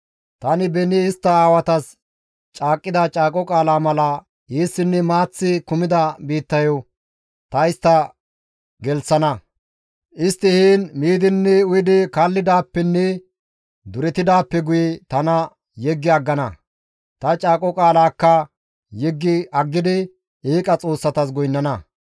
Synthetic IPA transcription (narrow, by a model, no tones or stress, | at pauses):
t̪ɐnɪbɛnɪːst̪ːɐaːwɐt̪ɐs | t͡ʃʼaːkʼːɪd̪ɐt͡ʃʼaːkʼɔkʼaːlaːmɐlɐ | jiːsːɪnːɛmaːt͡sːɪkʊmɪd̪ɐbiːt̪ːɐjɔ | t̪ɐɪst̪ːɐ | ɡɛlsɐnɐ | ʔɪst̪ːɪhiːnmiːd̪ɪnːɛʊjɪd̪ɪkaːlːɪd̪aːpːɛnːɛ | d̪ʊɾɛt̪ɪd̪aːpːɛɡʊjɛt̪ɐnɐ | jɛɡːɪɐɡːɐnɐ | t̪ɐt͡ʃʼaːkʼɔkʼaːlaːkːɐ | jɛɡːɪʔɐɡːɪd̪ɪ | iːkʼɐt͡sʼo̞ːsːɐt̪ɐs̬ɡʊjnːɐnɐ